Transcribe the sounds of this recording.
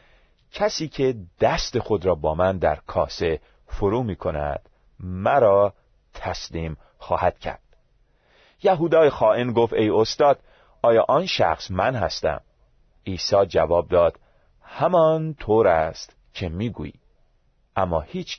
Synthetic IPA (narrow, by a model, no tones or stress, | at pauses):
cʰæsiːcʰe̞d̪̥æst̪e̞xo̞d̪ɾɒːbɒːmænd̪æ̰ɾkʰɒːse̞ | foɾuːmiːkʰo̞næ̰d̪̥ | mæɾɒː | t̪ʰæsliːm | xɒ̰ːhæd̪̥cʰæ̰ɾd̪̥ | jæɦuːd̪ɒːjexɒːʔenɡoft̪e̞jo̞st̪ɒːd̪̥ | ɒːjɒːʔɒːnʃæ̰xsmænhæ̰st̪æ̰m | iːsɒːd͡ʒævɒːb̚d̪ɒːd̪̥ | hæmɒnt̪ʰoːɾæst̪ | cʰe̞miːɡṵḭː | ʔæmːɒ̰ːhiːt͡ʃʰ